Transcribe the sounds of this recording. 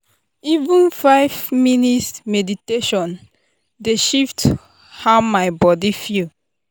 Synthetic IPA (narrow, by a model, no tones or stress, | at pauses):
ivũnfaɪvminitsmediteʃɔ̃n | deʃift | hamaɪbɔdifil